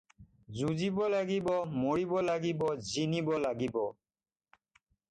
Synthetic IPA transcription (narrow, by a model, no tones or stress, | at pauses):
zuzibɔlaɡibɔmoɹibɔlaɡibɔzinibɔlaɡibɔ